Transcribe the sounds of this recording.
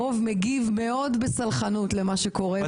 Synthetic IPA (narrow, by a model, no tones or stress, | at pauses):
ovmeɡivme̞o̞dbesalχanutlemaʃeko̞ʁe